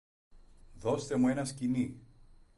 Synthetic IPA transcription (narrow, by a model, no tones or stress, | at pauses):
ðo̞st̪e̞mue̞nɐscini